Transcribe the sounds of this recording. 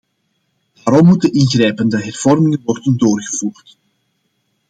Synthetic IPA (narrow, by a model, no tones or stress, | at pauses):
daːɾɔmːutənʔɪnɣrɛjpəndəɦɛrv̥ɔrmɪŋənʋɔrdəndoːrɣəvuːrt